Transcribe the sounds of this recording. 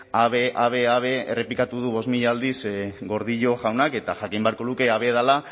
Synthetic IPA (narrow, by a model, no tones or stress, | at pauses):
aβeʔaβe̞aβ̞e̞ḛre̞plikat̪uð̞uβ̞o̞zmiʎaːld̪isɡo̞ɾðiʎo̞ʝawnake̞t̪aʝakimbeaɾko̞luke̞aβe̞ð̞ala